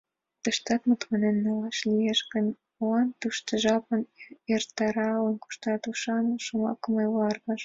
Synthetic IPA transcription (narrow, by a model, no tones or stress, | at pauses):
t̪ə̆ʃt̪ɑt̪mut̪mɑnenːolɑʃlieʃkə̆n | oɑnt̪uʃt̪ə̆ʒɑpənert̪ɑɾɑlənku̥ʃt̪ɑt̪uʃɑnəʃumɑ̰kə̆mɑjwlɑrɣɑʃ